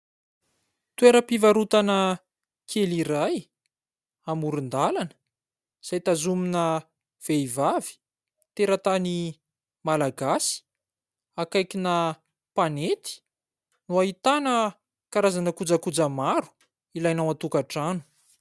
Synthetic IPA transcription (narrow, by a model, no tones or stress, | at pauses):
t̪ueɾəpivaɾut̪anə | kʰeliɾaj | amuɾund̪alanə̥ | z̥ajt̪azuminə | v̥eivavi̥ | t̪eɾət̪ani | malaɡasi̥ | akajkinə | panet̪i̥ | nuaɦit̪anə | kaɾazanəkud͡zakud͡zamaɾu̥ | ilajnawat̪ukaʈ͡ʂanu̥